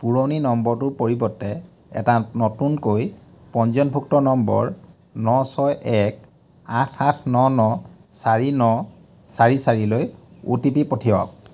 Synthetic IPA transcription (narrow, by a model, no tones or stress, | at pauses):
puɹoninɔmbɔɹtʊpoɹibɔtːɛ | ɛ̰tanɔtunkojpɔnzɔnbʱuk̚tɔnɔmbɔ̰ɹ | nɔsɔjʔɛk̚ | atʰatʰnɔnɔ | saɹinɔ | saɹisaɹilojṵtipipotʰiwa̰k̚